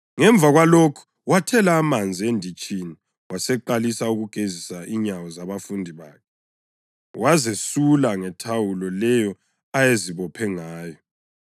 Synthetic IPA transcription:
ŋɛɱbvʱaɣwalokʰu̥ | watʰɛlaːmand͡zʱiendʱit͡ʃʼini | wʔasɛǃalisauɣuɡ̥ʱezisaiɲawɔzaβafundʱiβaːkʰɛ | wʔazesulaŋɛtʰawulɔlɛjɔ | ajeziβɔpʰɛŋaːjɔ

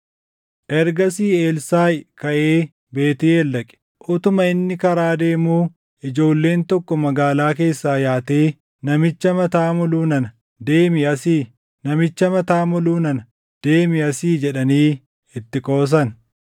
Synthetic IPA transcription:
ʔɛɾɡɐsiːe̞ːlsaːjkɐʔeː | be̞ːt̪ɪeːlːɐkʼɪ̥ | ʔʊt̪ʊmɐɪnːɪkɐɾaːd̪e̞ːmuː | ʔɪd͡ʒo̞ːlːe̞ːnt̪ɔkːɔmɐɡaːlaːke̞ːsːaːjaːt̪eː | nɐmɪt͡ʃːɐmɐt̪aːmɔluːnɐnɐ | d̪e̞ːmɪɐsiː | nɐmɪt͡ʃːɐmɐt̪aːmɔluːnɐnɐ | d̪̥e̞ːmɪɐsiːd͡ʒɛᶑɐniː | ɪt̪ːɪkʼo̞ːs̬ɐn

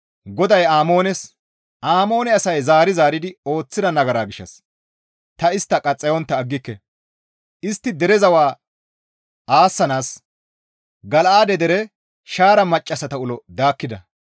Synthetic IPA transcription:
ɡɔd̪ɐjaːmo̞ːnɛs | ʔaːmo̞ːnɛɐsɐjzaːɾɪzaːɾɪd̪ɪo̞ːt͡sːɪd̪ɐnɐɡɐɾaːɡɪʃːɐ̰s | t̪ɐɪst̪ːɐkʼɐt͡sʼːɛjɔnt̪ːɐːɡːɪkːɛ | ʔɪst̪ːɪd̪ɛɾɛzɐwaː | aːsːɐnaːs | ɡɐlʔaːd̪ɛd̪ɛɾɛ | ʃaːɾɐmɐt͡ʃʼːɐsɐt̪ɐʊlɔd̪aːkːɪd̪ɐ

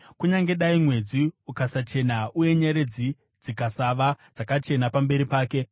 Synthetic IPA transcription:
kuɲaŋɡe̞ɗaimwe̞d͡ziukasat͡ʃe̞nauje̞ɲeɾe̞d͡zi | d͡zikasaʋad͡zakat͡ʃe̞napambe̞ɾipaːke̞

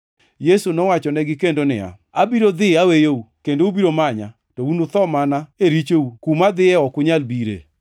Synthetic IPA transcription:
jesunɔwat͡ʃɔnɛɡɪkendonɪ̰a̰ | abiɾod̪ɪawejoukendoubiɾomaɲa̰ | tɔunot̪ɔmanaeɾit͡ʃoukumad̪ɪɛɔkʊɲalbiɾḛ

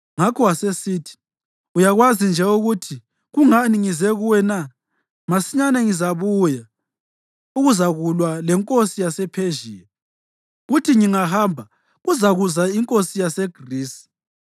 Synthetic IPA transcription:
ŋakʰɔwasesiːtʰi̥ | ujaɣwazind͡ʒʱɛuɣutʰi | ɣuŋaniŋizɛɣuwɛna | masiɲanɛŋizaβuja | uɣuzaɣulwalɛŋkʼosijasɛpʰeʒiːjɛ | ɣutʰiŋiŋahaːmbʱa | ɣuzaɣuzaiŋkʼosijasɛɡ̥ʱriːsi̥

